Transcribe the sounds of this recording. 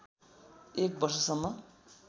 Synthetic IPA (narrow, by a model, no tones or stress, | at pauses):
ek̚bʌrs̬ʌsʌmːʌ